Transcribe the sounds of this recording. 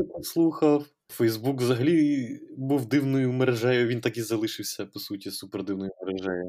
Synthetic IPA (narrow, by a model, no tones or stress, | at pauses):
pɔslˠuxɐw | fɛjzbukʋzɐɦɐlʲibuwd̪ɪwnɔjʊmeɾeʒɛjʊʋint̪akizɐlˠɪʃɪwsʲɐpɔsutʲisupeɾd̪ɪwnɔjʊmeɾeʒɛjʊ